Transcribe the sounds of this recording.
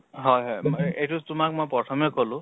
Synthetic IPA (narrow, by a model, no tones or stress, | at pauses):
ɦɔjɦɔjmaʔejtʊtʊmak̚mojpɹɔtʰɔmekolʊ̃